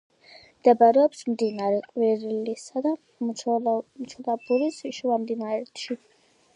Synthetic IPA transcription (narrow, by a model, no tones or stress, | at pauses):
md̪̥ɛbaɾɛɔpsmd̪inaɾɛqʼwiɾlisad̪a | mt͡ʃʰulˠabuɾisiʃuamd̪inaɾɛt̪ʰʃi